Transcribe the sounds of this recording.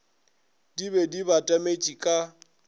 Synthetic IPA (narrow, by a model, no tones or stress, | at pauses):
dibɛdibatʼamet͡ʃʼikʼa